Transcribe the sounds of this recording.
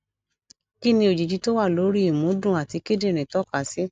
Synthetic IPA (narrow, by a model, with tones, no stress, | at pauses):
ki˦nĩ˧o˨d͡ʒi˨d͡ʒi˧˦to˦wa˦˨lo˨˦ɾi˦i˨mũ˨˦dũ˦˨a˨ti˧ke˦de˦˨ɾ̃ĩ˨tɔ˦ka˨si˦